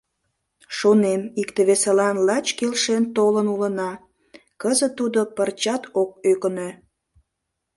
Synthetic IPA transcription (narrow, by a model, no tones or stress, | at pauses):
ʃonemikt̪eβeselɑnlɑt͡ɕkelʃent̪olənulənɑ | kəzə̆t̪ːud̪opərt͡ɕɑt̪ok̚økənø